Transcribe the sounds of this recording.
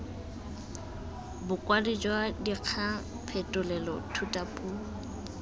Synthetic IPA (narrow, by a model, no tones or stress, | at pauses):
bʊkʼwadid͡ʒwadiq͡χʰa | pʰɛtʼʊlɛlɔ̰tʰutʼapʼuː